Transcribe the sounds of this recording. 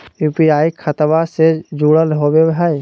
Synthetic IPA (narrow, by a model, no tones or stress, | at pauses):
juːpiaːikʰət̪əbased͡ʒuɽəlɦobebɦaj